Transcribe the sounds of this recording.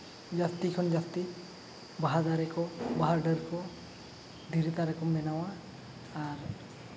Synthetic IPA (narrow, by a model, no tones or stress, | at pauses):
d͡ʒast̪ikʰɔnd͡ʒast̪i | baɦazaɾɛkɔbaɦaɾɖəɾkɔ | d̪ʱiɾit̪aɾɛkɔmbɛnawaː | ɾ